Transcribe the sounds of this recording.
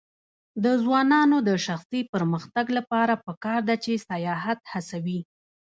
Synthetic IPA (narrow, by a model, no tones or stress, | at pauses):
d̪əzwɑnɑnod̪əʃaxsipəɾməxt̪aɡlapɑɾapəkɑɾd̪at͡ʃesajɑɦat̪hasawi